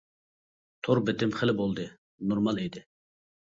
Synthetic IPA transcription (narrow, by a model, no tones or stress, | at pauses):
t̪ʰoɾbɪt̪ɪmχəlɪbolˠd̪ɨ | noɾmɑlˠid̪ɪ